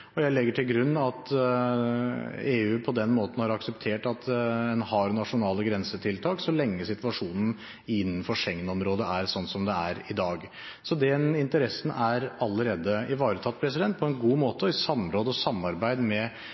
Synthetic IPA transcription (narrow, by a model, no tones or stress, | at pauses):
ɔjæɪlɛɡːəʈʰɪlɡɾʉnːɑt̪ | eːʉːpʰɔd̪ɛnːmoːt̪ən̩hɑɾɑksəpt̪ʰeːʈɑt̪ɛnhɑɾnɑʂʊnɑːləɡɾɛnsət̪ʰɪlt̪ʰɑːksɔlɛŋːəsɪt̪ʋɑʂuːnən̩ | ɪnːənfɔʂɛŋnɔmɾoːd̪əæɾsɔnːsɔmd̪ɛæɾɪd̪ɑːɡ | sɔd̪ɛnɪnt̪əɾɛsnæɾɑlːəɾeːd̪əɪʋɑːɾət̪ʰɑt̪̚ːpʰɾɛs̬ɪd̪ɛnt̪̚pʰɔɛnɡuːmoːt̪əɪsɑmɾoːd̪əɔsɑmːɑɾbæɪd̪mɛ